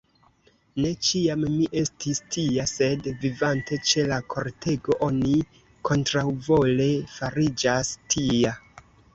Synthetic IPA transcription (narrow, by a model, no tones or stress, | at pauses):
ne̞t͡ʃiamːiʔe̞stistijase̞dvivantʰe̞t͡ʃe̞lakʰo̞ɾtʰe̞ɡo̞ʔo̞ni | kʰo̞ntɾawvo̞le̞faɾid͡ʒastʰija